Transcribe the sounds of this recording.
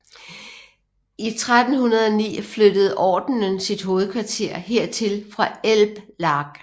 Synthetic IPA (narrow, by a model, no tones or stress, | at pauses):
it͡sʰʁad̥n̩hunɐð̞ˠɒ̽nḭːflød̥əð̞̩ˠʔɒːd̥n̩ənsid̥ɦo̝ːð̞̩ˠkʰʋɑ̈t͡sʰe̝ɐ̰ɦe̝ɐ̰t͡sʰe̝lfʁɑ̈elb̥lɑ̈ɡ̥